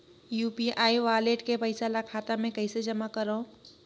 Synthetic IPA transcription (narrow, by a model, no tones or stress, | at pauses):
juːpiʔaːiʋaːleʈkepəɪsalakʰaːt̪amẽkəɪsed͡ʒəmakəɾõ